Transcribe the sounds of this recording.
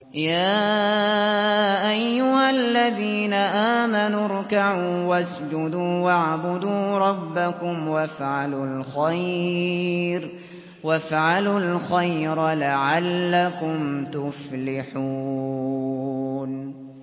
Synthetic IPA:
jaː | ʔajːʊhalːaðiːnaʔaːmanuɾˤkaʕuːwas | d͡ʒʊd̪uːwaʕbʊd̪uːɾˤɑbːakʊmwafʕalulxaj | ɾ | wafʕalulxajɾlaʕalːakʊmt̪ʊflɪħuː | n

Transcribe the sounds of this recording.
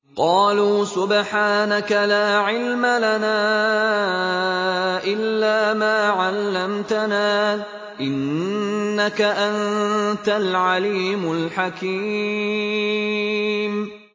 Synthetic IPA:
qɑːluːsʊbħaːnakalaːʕɪlmalanaː | ʔɪlːaːmaːʕalːamt̪anaː | ʔɪnː | akaʔant̪alʕaliːmʊlħakiː | m

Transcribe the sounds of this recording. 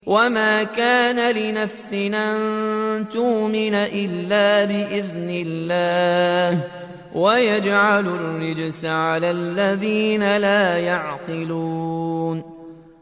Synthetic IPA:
wamaːkaːnalɪnafsɪnʔant̪uʔmɪnaʔɪlːaːbɪʔɪðnɪlːaːh | wajad͡ʒʕalʊlːɪd͡ʒsʕalaːlːaðiːnalaːjaʕqɨluːn

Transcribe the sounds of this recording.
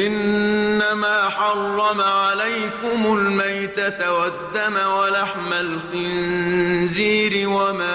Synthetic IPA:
ʔɪnːamaːħɑrˤːɑmaʕalajkʊmʊlmajt̪at̪awad̪ːamawalaħmalxɪn | ziːɾɪwamaː

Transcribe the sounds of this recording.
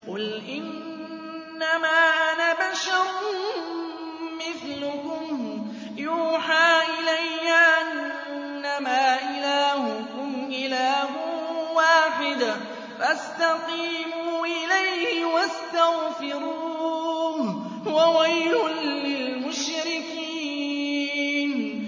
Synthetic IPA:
qʊlʔɪnː | amaːʔnabaʃaʊ | mɪθlʊkʊm | juːħaːʔɪlajːaʕan | ɪnːamaːʔɪlaːhʊkʊmʔɪlaːɦʊwaːħɪd̪a | fʔast̪ɑqiːmuːʔɪlajhhɪwast̪aɣfɪɾuːu | wawajlʊnlɪlmʊʃɾɪkiː | n

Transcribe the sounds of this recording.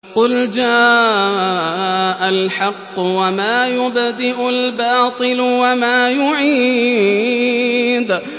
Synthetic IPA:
qʊld͡ʒaː | ʔalħɑqːwamaːjʊbd̪ɪʔʊlbɑːt̪ˤɨlwamaːjʊʕiː | d̪

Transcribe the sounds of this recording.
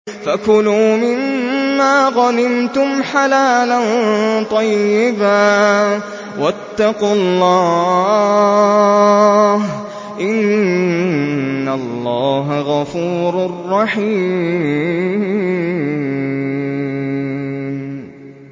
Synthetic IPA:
fakʊluːmɪnːaːɣɑnɪmt̪ʊmħalaːlant̪ˤɑjːɪbaː | wat̪ːɑqʊlˤːɑː | h | ʔɪn | alːɑːɦaɣɑfuːɾarːɑħiː

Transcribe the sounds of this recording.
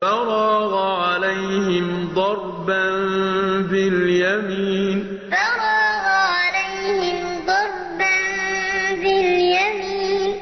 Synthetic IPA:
ɑɾˤɑːɣaʕalajɦɪmd̪ˤɑɾˤbanbɪljamiːn | fɑɾˤɑːɣʕalajhɪm | d̪ˤɑɾˤbanbɪljamiːnn

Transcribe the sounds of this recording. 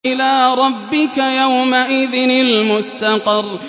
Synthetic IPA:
ʔɪlaːɾˤɑbːɪkajawmaʔɪðɪnɪlmʊst̪ɑqɑrˤ

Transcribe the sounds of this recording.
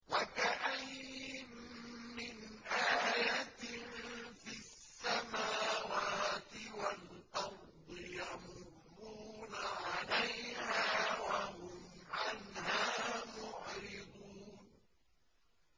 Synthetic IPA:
wakaʔajmmɪnʔaːjat̪ɪfɪssːamaːwaːt̪ɪwalʔɑɾ | d̪ˤɨjamʊrːuːnaʕalajhaːwahʊmʕanhaːmʊʕɾɪd̪uːn

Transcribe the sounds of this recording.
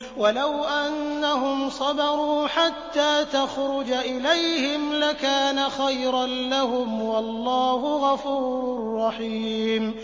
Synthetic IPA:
walawʔanːaɦʊmsˤɑbɑɾuːħat̪ːaːt̪axɾʊd͡ʒaʔɪlajhɪmlakaːnaxajɾɑnlaɦʊmwɑlːaːhʊɣɑfuːɾɾʊrːɑħiːm

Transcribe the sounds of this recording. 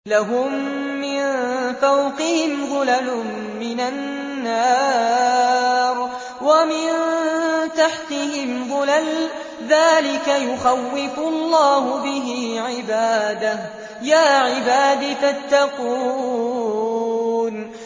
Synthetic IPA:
laɦʊmː | ɪnfawqɪhɪmðˤʊlalʊ | mɪnanː | aː | ɾˤ | wamɪn | t̪aħt̪ɪhɪmðˤʊlal | ðaːlɪkajʊxawːɪfʊʔlˤːɑːhʊbɪɦɪʕɪbaːd̪ah | jaːʕɪbaːd̪ifat̪ːɑquː | n

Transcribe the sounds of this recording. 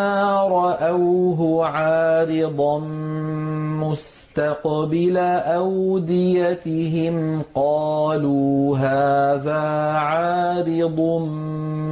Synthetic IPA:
aːɾˤɑʔawɦʊʕaːɾɪd̪ˤɑn | mʊs | t̪aqbɪlaʔawd̪ɪjat̪ɪɦɪmqɑːluːɦaːðaːʕaːɾɪd̪ˤ

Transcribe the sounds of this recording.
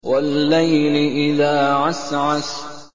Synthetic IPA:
walːajlɪʔɪðaːʕasʕat̪

